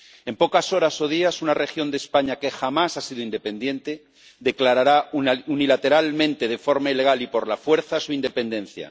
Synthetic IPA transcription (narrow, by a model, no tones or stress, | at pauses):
e̞mpo̞kaso̞ɾaso̞ð̞iasunare̞xjo̞nd̪espaɲake̞xamasasiðoind̪e̞pe̞nd̪jẽ̞nt̪e̞ | ðe̞klaɾaɾaunilat̪e̞ɾalmẽ̞nt̪eð̞efo̞ɾmaile̞ɣ̞alipo̞ɾlafwe̞ɾθasuind̪e̞pe̞nd̪ẽ̞nθja̰